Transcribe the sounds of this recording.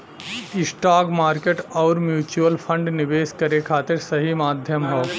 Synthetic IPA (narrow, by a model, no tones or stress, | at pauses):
ɪsʈaːkmaːɾkeʈɔːɾmjuːt͡ʃuəlpʰə̃ɳɖnɪʋeːʃkɐɾekʰaːt̪ɪɾsɐɦimaːd̪ʱjəmɦoː